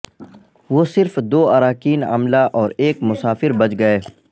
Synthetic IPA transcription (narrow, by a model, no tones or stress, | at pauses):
ʋoːsɪɾfd̪oːaɾaːkiːna̰mlaʔɔːɾeːkmʊsaːfɪɾbɐt͡ʃɡɐeː